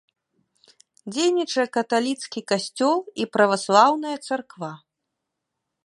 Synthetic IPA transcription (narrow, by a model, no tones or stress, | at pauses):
d͡zʲejnʲit͡ʂɐjɐkɐt̪alʲit̪skʲikasʲt͡sʲɔlˠipɾɐvaslˠawnɐjɐt̪sarkva